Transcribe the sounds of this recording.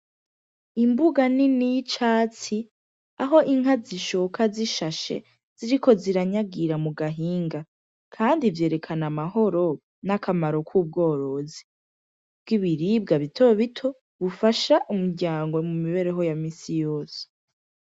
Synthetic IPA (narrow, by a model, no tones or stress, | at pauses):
imbuɡaninijit͡ʃaːt͡si | aɦo̞ʔiŋaziʃokʰaziʃaʃe̞̰ | z̥iɾikʰo̞ziɾaɲaɡiɾamuɡaɦiːŋɡa | kʰaːndivje̞ːɾe̞kʰanamaɦo̞ɾo̞ | nakʰamaɾo̞kʰuːb̚ɡo̞ːɾo̞zi | b̥̚ɡiβiɾibɡaβitʰo̞βitʰo̞ | βufaʃaʔumuɾɟaːŋɡwe̞mumiβe̞ɾe̞ɦo̞jamiːsijoːse̥